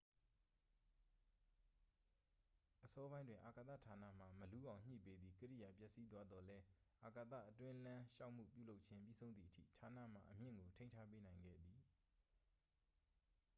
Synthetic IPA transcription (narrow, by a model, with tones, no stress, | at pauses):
ʔəsɔ˦bã˦ɪ̃ndwɪ̃˨ʔa˨ka˨t̪ä̰˦˨tʰa˨na̰˦˨m̥a˨məlu˦ʔã˨ʊ̃ɲ̥ḭ˦˨pe˦d̪ði˨kəɾḭ˦˨ja˨pjɛ˦ʔsi˦t̪wa˦d̪ɔ˨lɛ˦ʔa˨ka˨t̪ä̰˦˨ʔətwɪ̃˦lã˦ʃa˦ʊʔm̥ṵ˦˨pjṵ˦˨lo˦ʔ̚t͡ɕʰɪ̃˦mpjḭ˦˨zʰõ˦ʊ̃nðḭ˨ʔətʰḭ˦˨tʰa˨nä̰˦˨m̥a̰˦˨ʔəm̥jɪ̰̃˦˨ŋɡo˨tʰẽ˦ɪ̃ntʰa˦pe˦nã˨ɪ̃ŋɡɛ̰˦˨d̪i˨